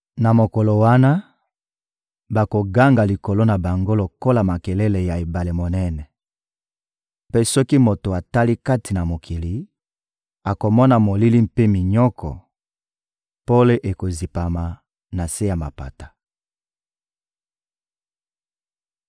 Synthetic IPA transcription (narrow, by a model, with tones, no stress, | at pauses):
na˨mo˨ko˨lo˨wa˦na˦ | ba˨ko˨ɡa˦ŋɡa˨li˨ko˨lo˦na˨ba˨ŋɡo˦lo˨ko˦la˨ma˨kɛ˨lɛ˦le˨ja˨e˨ba˨le˨mo˨nɛ˦nɛ˨ | pe˦sɔ˦ki˦mo˨to˨a˨ta˦li˦ka˦ti˨na˨mo˨kʰi˨li˨ | a˨ko˨mɔ˦na˨mo˨li˦li˦m̩pe˦mi˨ɲɔ˦kʰɔ̰˨ | po˦le˦ʔe˨ko˨zi˨pa˨ma˨ | na˨se˦ja˨ma̰˨pa˨tḁ˨